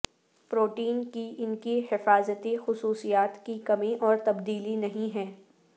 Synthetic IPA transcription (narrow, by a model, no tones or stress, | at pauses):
pɾoːʈiːnkiʔɪnkiɦɪfaːzət̪ixʊsuːsijaːt̪kikɐmĩʔɔːɾt̪ɐbd̪iːlinɐɦĩɦɛː